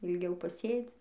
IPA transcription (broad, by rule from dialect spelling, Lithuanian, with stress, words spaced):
ɪlʲˈɡʲɛʊ pɐˈsʲeːd͡zʲɪ